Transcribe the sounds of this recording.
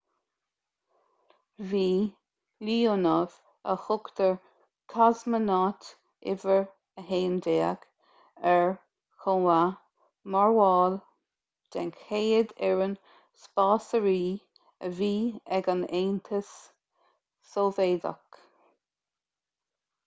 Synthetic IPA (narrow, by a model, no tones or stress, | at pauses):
viː | liːonəv̥ | ə̰xʊkt̪əɹ | kʰazmənɑt | ʔɪ̰vəɹ | əɦeːnd̪eːəɡ | ɛɹ | xoa | maɹwɑːl | d̥ɛnkheːəd̪ɛɹən | spɑːsəɹiː | əviːɛɡaneːnt̪ʰəs | oːveːd̪a̰k